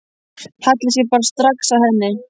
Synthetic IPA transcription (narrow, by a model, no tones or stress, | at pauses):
hat̪lɪsjɛpaːɾast̪ɾaksawhɛnːɪ